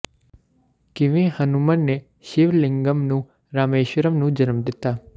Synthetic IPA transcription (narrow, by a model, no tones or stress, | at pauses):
kiʋĩhənumənːe | ʃiʋlɪ̃ŋɡəmnũ | ɾaːmeːʃʋəɾəmnũd͡ʒənmd̪et̪a